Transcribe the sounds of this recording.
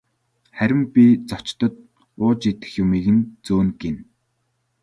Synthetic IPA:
χæɾʲɪ̆mpʲit͡sɔt͡ɕt̪ɞ̆t̪̚ | ʊːt͡ɕit̪ɘ̆xjʊmiːɣɘ̆nt͡suːnɡen

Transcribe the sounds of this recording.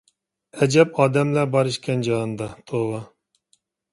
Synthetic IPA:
ɛd͡ʒɛp̚ɑːd̪ɛmlæbɑɾɨʃkʲɛnd͡ʒɑːnd̪ɑt̪ʰoʁɑ

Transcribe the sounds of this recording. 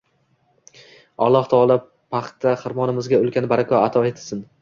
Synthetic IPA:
ɒ̰lˠːɒht̪ʰɒːlˠa | pʰaχt̪ʰaχɨɾmɒnɪmɪzɡʲaolˠkʲanɪbaɾakʲʰɒat̪ʰɒet̪ʰɪ̥sɪn

